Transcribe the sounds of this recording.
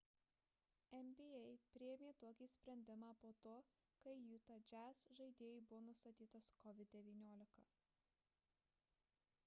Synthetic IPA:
ɛmʲbʲiɛɪpʲɾʲɪjɛmʲeːt̪oɔkʲisʲpʲɾʲɛnʲd̪ʲɪmɑːpoːt̪oː | kɐɪjuːt̪ɐd͡ʒʲæsʒɐɪd̪ʲeːjiːˑbʊʋoːnʊst̪ɐt̪ʲiːt̪oːskɔʋʲɪd̪̚ʲd̪ʲɛʋʲiːnʲoːlʲɪkɐ

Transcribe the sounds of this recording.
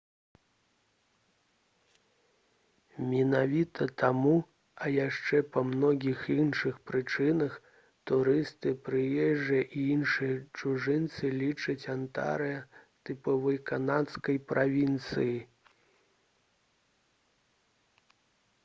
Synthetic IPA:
mʲinavʲit̪ɐt̪amu | ɐjaʂt͡ʂɛpɐmnɔɣʲixinʂɨxpɾɨt͡ʂɨnɐx | t̪uɾɨst̪ɨpɾɨjɛʐːjɐʔiinʂɨjɐt͡ʂuʐɨnt̪sɨlʲit͡ʂɨt͡sʲant̪a̰ɾɨjɐt̪ɨpɔvɐjkanat̪skɐjpɾʔavʲint̪sɨji

